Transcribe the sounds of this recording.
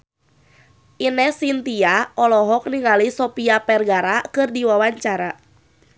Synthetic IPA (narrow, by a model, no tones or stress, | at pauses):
ʔinɛsint̪iaɔlɔɦɔk̚niŋalisɔpiapɛrɡaɾakɨrdiwawaɲt͡ʃaɾa